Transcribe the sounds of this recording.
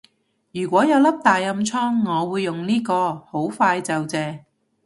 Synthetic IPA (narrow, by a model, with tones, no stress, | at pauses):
jyː˨˩kʷɔː˨˥jɐ˨˧wlɐ˥p̚t̪aː˨jːɐ˧mt͡sʰɔː˥ŋːɔː˨˧wuː˨˧jːʊ˨ŋliː˥kɔː˧ho˨˥wfaː˧jt͡sɐ˨wt͡sɛː˧